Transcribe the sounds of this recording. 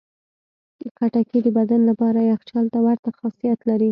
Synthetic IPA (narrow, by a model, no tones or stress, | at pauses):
əkaʈakid̪əbad̪anlapɑɾajaxt͡ʃɑlt̪awaɾt̪axɑsijat̪laɾi